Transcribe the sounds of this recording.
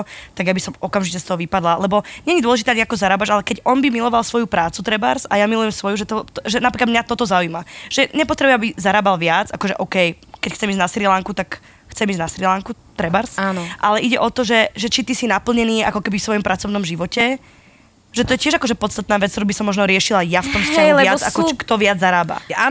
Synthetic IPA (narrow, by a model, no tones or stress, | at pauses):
t̪aɡjabisɔmɔkamʒicɛst̪ɔɦɔʋipad̪lalɛbɔɲɛɲid̪ʊɔlɛʒit̪ɛːaɲiakɔzaɾaːbad͡ʒalɛkɛɟɔnbimilɔʋalsʋɔjupɾaːt͡sut̪ɾɛba̰ɾsajamilujɛmsʋɔjuʒɛt̪ɔt̪ʒɛnapɾiklad̪mɲat̪ɔt̪ɔzaujmaʒ̥ɛɲɛpɔt̪ɾɛbujɛmabizaɾaːbalʋɪad͡zakɔʒɛʔɔkɛj | kɛcxt͡sɛmiːzɟnasɾilaŋkut̪ak | xt͡sɛmiːzɟnasɾilaŋku | t̪ɾɛbaɾsanʔalɛʔiɟɛʔɔt̪ɔʒɛʒɛt͡ʃit̪isinapl̩ɲɛniːa̰kɔkɛbifsʋɔjɔmpɾat͡sɔʊnɔmʒiʋɔcɛ | ʒ̥ɛt̪ɔjɛcɪɛʒakɔʒɛpɔt̪t͡st̪at̪naːʋɛt͡st̪ɔɾuːbisɔmːɔʒnɔɾɪɛʃilajaft̪ɔmstaɛɛjaakɔkt̪ɔʋɪad͡zzːaɾaːba̰a